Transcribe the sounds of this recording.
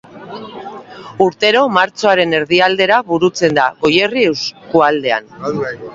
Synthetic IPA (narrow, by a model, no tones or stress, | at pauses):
uɾt̪e̞ɾo̞maɾt͡so̞aɾe̞ne̞ɾðiald̪e̞ɾaβuɾut͡se̞nd̪aɣo̞je̞riewskuald̪e̞a̰n